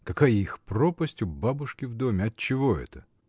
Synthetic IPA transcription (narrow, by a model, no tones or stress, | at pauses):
kɐkajixpropəsʲtʲʊbabʊʂkʲɪvd̪o̞mʲɪɐt̪̚t͡ɕːɪvo̞ɛ̰t̪ə